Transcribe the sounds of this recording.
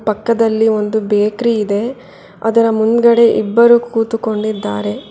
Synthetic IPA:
pɐkːɐd̪ɐlːio̞nd̪ubeːkɾiːd̪e̞ | ɐ̰d̪ɐɾɐmund̪ɡɐɽe̞ʔibːɐɾukuːt̪ukoɳɖid̪ːaːɾe̞

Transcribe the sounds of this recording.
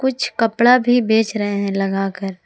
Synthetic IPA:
kʊt͡ʃʰkɐpɽabʱibeːt͡ʃɾɐɦeɦɛ̃lɐɡaːkəɾ

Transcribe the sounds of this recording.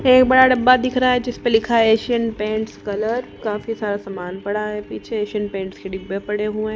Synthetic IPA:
eːk̚bɐɽaɖɐbːad̪ɪkʰɾaaɦɛd͡ʒɪspelɪkʰaɦɛeːʃiənpẽːɳʈskɐləɾkaːfisaːɾasɐmaːnpɐɽaɦɛ̃piːt͡ʃʰeeːʃiənpẽːɳʈskeɖɪbepɐɽeɦuẽː

